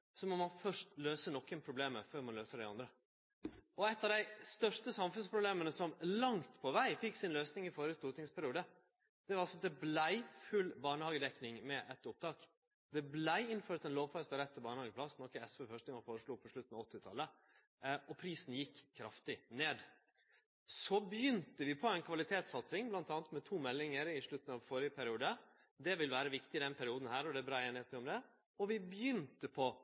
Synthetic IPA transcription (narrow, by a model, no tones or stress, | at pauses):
sɔmɔmɑnfœʂtløːsənɔkːənpʰɾʊbleːməføːɾmɑnløːsəɖæɪɑ̰nd̪ɾə | ɔɛt̪ːɑʋd̪æɪst̪œʂʈəsɑmfʉnspʰɾʊbleːmənəsɔmlɑŋt̪pʰɔʋæɪfɪkːsɪnløːsnɪŋɪfoːɾəst̪uːt̪nɪŋspʰæɾɪuːd̪ə | d̪̥ɛʋɑɾɑlsɔd̪ɛblæɪfʉlbɑːɳəhɑːɡəd̪ɛknɪŋmɛʔɛt̪ʊp̚t̪ʰɑːk | d̪ɛblæɪɪnføːɾt̪ɛnloːʋfɑst̪əɾɛt̪ːəbɑːɳəhɑːɡəpʰlɑsnɔkːəɛsʋɛːfœʂʈ̪nɪŋɑfoːɾəʂɭuːpʰɔʂɭʉt̪n̩ɑɔt̪ːɪt̪ʰɑlːə | ɔpʰɾiːsn̩jɪkʰːɾɑft̪ɪneːd̪ | sɔbjʏnt̪əʋɪpʰɔæɪnkʰʋɑlɪt̪ʰeːt̪sɑt̪sɪŋblɑnt̪ɑːnət̪mɛt̪ʰuːmɛlːɪŋəɾɪʂɭʉt̪ːn̩ɑʋfɔɾɪəpʰæɾɪuːd̪ə | d̪ɛʋɪlʋæːɾəʋɪkt̪ɪɪd̪ɛnpʰæɾɪuːd̪n̩hæːɾɔd̪ɛbɾɑːeːnɪheːt̪ɪɔmd̪ɛ | ɔʋɪbjʏnt̪əpʰɔ